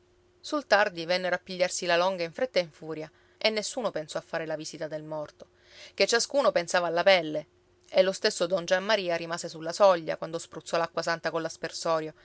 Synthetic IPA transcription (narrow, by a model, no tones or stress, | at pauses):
sult̪ard̪ivɛnːeɾapːiʎːarsilalɔŋɡaiɱfɾet̪ːaiɱfuːɾja | ʔenːesːuːnopensɔafːaːɾelaviːsit̪ad̪elmɔrt̪o̥ | ket͡ʃːaskuːnopensaːvaːlːapɛlːe | elːost̪esːod̪ɔnd͡ʒamːaɾiːaɾimaːsesulːasɔʎːa̰kwand̪ospɾut̪sːɔlakːwasant̪akolaspersɔːɾjo